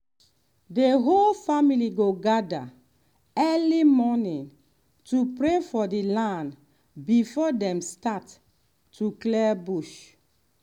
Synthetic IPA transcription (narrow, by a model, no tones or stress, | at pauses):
deɦolfamiliɡoɡada̰ | ɛlimɔnĩn | tupɹefɔdelãnd | bifɔdɛ̃mstatː | uklɛbuʃ